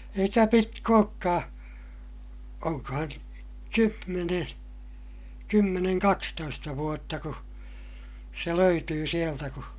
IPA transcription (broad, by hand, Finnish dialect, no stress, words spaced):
eikæ pitk oːkːɑː oŋkɑhɑn kymːeneː kymːeneŋ kɑkstoistɑ ʋuotːɑ ku se løytyː sieltæ ku